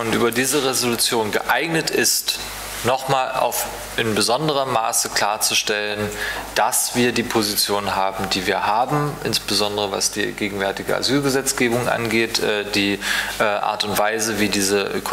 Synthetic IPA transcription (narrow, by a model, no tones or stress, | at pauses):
ʊntʔyːbɐdiːzəʁezolut͡sjoːnɡəʔaɪɡnətɪst | nɔχmaːlʔa̰ʊf | ʔɪnbəzɔndəʁ̞əma̰ːsəkl̥aːɐt͡suʃtɛlənd̥asv̥iːɐdiːpʰozit͡sjoːnɦaːbm̩diːviːɐhaːbm̩ʔɪ̰nsb̥əzɔndəʁəva̰sd̥ḭːɡeːɡŋ̩vɛɐtɪɡə̰ʔa̰zyːlɡəzɛt͡sɡ̥eːbʊŋʔa̰nɡeːtʔɛːd̥iːʔɛːʔa̰ːɐtʊntv̥aɪzəviːdiːzəʔkʰ